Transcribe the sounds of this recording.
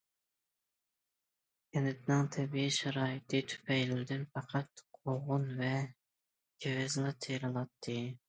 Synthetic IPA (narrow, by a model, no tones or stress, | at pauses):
kʲɛnɪt̪nɨŋt̪ʰɛbijiʃɛɾɑːit̪ʰɨt̪ʰy̥pʰɛjlɪld̪ɪnfɑqʰɑt̪qʰoʁʊnvɛ | ɡ̥ʲewɪzlˠɑt̪ʰeɾɨlˠɑt̪ʰːɨ